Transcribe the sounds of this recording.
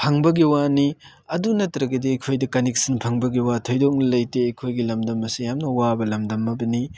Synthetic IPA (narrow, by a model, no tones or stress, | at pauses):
pʰɐŋbɐɡiwani | ɐdunɐtɾɐɡɐdiɐkʰojdɐkɐnek̚sɐnpʰɐŋbɐɡiwatʰojdok̚nɐlɐjteːkʰojɡilɐmdɐmɐsijamnɐwabɐlɐmdɐmːɐbɐni